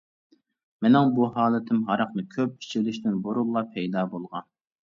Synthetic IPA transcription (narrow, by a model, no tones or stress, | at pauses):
mɪnɪŋbuɦɑːlˠɨt̪ʰɪmɦɑɾɑqnɨkʲʰøp̚i̥t͡ʃʰilɪʃt̪ɪnboɾulˠːɑpʰɛjd̪ɑːbolˠʁɑn